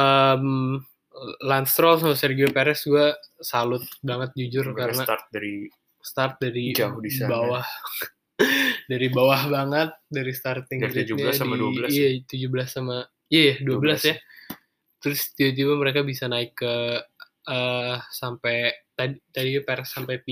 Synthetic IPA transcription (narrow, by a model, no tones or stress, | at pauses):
əm | lanst̪ɾɔls̬amasɛrɡiopeɾɛsɡuasalʊt̪̚baŋət̪̚d͡ʒud͡ʒʊrkkaɾənaart̪̚daɾi | st̪art̪̚daɾit͡ʃaudisabawah | daɾibawahbaŋət̪̚daɾist̪art̪ɪŋɾtɲaaaimaduaəlaijat̪ud͡ʒubəlaslama | ijajaduabəlasja | t̪əɾʊst̪ibat̪̬ibaməɾekabisanaɪkːə | əsampajt̪adit̪adipeɾɛsːampajpi